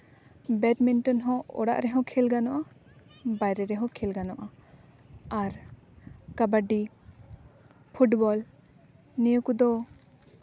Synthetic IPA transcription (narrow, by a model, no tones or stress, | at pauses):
bɛʈminʈɔnɦɔ̃ɔ̰ɽa̰ʔɾɛɦɔ̃kʰɛlɡanɔʔa | bajɾɛɾɛɦɔ̃kʰɛlɡanɔʔa | aɾ | kabaɖi | pʰuʈbɔl | nijəkud̪ɔ